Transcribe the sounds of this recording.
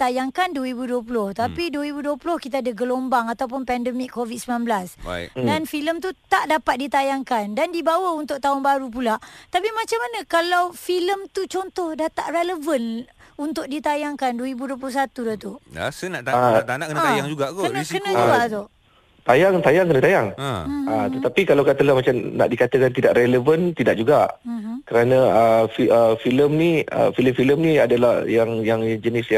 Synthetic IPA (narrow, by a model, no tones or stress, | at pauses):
t̪ajaŋkanduəɾibuduəp̬ulʊht̪apiduəɾibuduəpulʊhkit̪aadəɡəlombaŋat̪awp̬ʊnpɛndəmikʰːovit̪̚səbinanblasa̰danfiləmt̪ut̪aʔdapat̪̚dit̪ajaŋkandandibawaunt̪ʊk̚t̪aʊnbaɾup̬ulaʔt̪apimãt͡ʃamanə̃kalawfiləmt̪ut͡ʃɔnt̪ɔhdat̪aʔreləvən | unt̪ʊʔ̚dit̪ajaŋkanduwəɾibuduəpulʊhsat̪udaht̪ua̰sənaʔt̪aat̪anaʔkənt̪ajaŋd͡ʒuɡak̪uənəkənə̃uɡat̪o | t̪ajaŋt̪ajaŋkənət̪ajaŋat̪ət̪apikalawkat̪əlahmat͡ʃamna̰ʔdikat̪əkant̪idaʔɾɛləvənt̪idaʔ̚d͡ʒuɡakəɾanãəfiəfiləmniə̰filəmfiləmnĩadalahjaŋjaŋd͡ʒənisja